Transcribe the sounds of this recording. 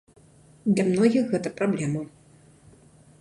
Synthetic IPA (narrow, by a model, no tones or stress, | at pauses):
d̪lʲamnɔɣʲixɣɛt̪ɐpɾablʲɛmɐ